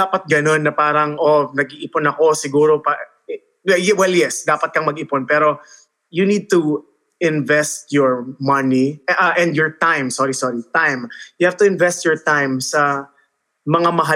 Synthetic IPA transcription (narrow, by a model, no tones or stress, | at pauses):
aːpɐt̪̚ɡɐno̞nːɐpaːɾɐŋʔonɐɡ̚ʔiʔɪponɐko̞sɪɡuːɾopa | ɛjɛwɛljɛsd̪aːpɐt̪̚kɐŋmɐɡɪponpɛɾo̞ | junid̪̚t̪u | ʔɪnvɛst̪jɔɹmɐniʔʔɛ̃nd̪jɔɹt̪ãjmsoɾisoɾit̪ajmjʊhavt̪ʊɪ̃nvɛst̪jɔɹt̪ajmsɐ | mɐŋamɐɦa